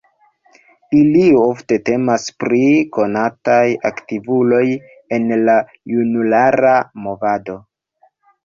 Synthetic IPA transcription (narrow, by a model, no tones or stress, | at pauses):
ilio̞fte̞te̞maspɾiko̞natajaktivulo̞j | e̞nla | junulaɾamo̞vado̞